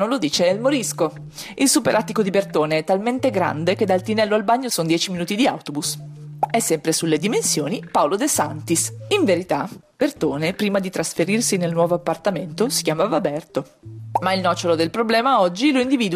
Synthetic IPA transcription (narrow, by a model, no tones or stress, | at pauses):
nolod̪iːt͡ʃelmoɾisko | ilsupeɾʔat̪ːikod̪ibert̪oːneɛt̪ːalment̪eɡɾa̰nd̪ek̟ed̪alt̪inɛlːoalbaɲːosond̪jɛːt͡ʃiminuːt̪id̪ia̰wt̪obusɛsːɛmpɾesulːed̪imensjoːnipaolod̪esant̪isiɱveɾit̪a | b̥ert̪oːnepɾiːmad̪it̪ɾasfeɾirsinelnwɔːvoapːart̪ament̪osi̥kʲjaːmavabɛrt̪o | mailnɔːt͡ʃolod̪elpɾoblɛːmaɔd͡ʒːiloind̪iviːd̪w